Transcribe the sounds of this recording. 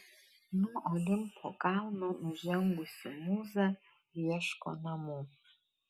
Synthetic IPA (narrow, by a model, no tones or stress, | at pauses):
nuɔlem̩pʰɔ̰kanɔm̩zɛŋ̩ɡʷisəmuza | jɛʃkɔ̰namɔ